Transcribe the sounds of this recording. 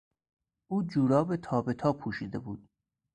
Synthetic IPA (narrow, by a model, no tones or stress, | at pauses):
ʔuːd͡ʒuːɾɒːbet̪ʰɒːbe̞t̪ʰɒːpʰuːʃiːd̪e̞buːd̪̥